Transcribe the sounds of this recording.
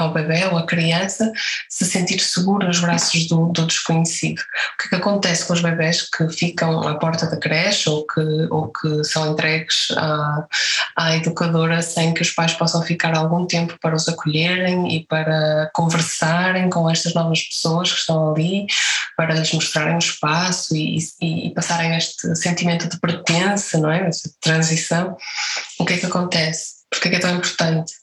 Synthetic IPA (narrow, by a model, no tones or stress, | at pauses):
awβeβɛoɐkɾiɐ̃sɐsɨsẽnt̪iɾsɨɣuɾunuʒβɾasuʒðud̪ud̪ɨʃkuɲɨsiðuukɛ̥kɐkõnt̪ɛskõuʒβɛβɛʃkʰɨfikɐ̃w̃a̰pɔɾt̪ɐðɐkɾɛʃokʰɨokʰɨsɐ̃w̃ẽnt̪ɾɛɣɨz̥a | aiðukɐðoɾɐsɐ̃j̃kɨuʃpajʃpɔsɐ̃w̃fikaɾalˠɣũt̪ẽmpu̥pɐɾɐuzɐkuʎeɾẽj̃ḭpɐɾɐkõvɨɾsaɾẽj̃kõɛʃt̪ɐʒnɔvɐʃpɨ̥soɐʃkɨ̥ʃt̪ɐ̃w̃ɐlˠipɐɾɐlʒmuʃt̪ɾaɾẽj̃uʃpasuḭḭːpɐsaɾẽj̃eʃt̪ɨsẽnt̪imẽnt̪uðɨpɾɨt̪ẽsɐnɐ̃w̃ɛɛʃɐt̪ɾɐ̃zisɐ̃w̃ukɛkɐkõnt̪ɛspuɾkɛkɛt̪ɐ̃w̃ĩmpʊɾt̪ɐ̃nt̪